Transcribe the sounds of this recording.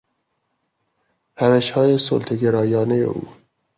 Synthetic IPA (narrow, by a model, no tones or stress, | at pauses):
ɾævæʃhɒːje̞so̰lt̪ʰeɡeɾɒːjɒːnejḛʔṵː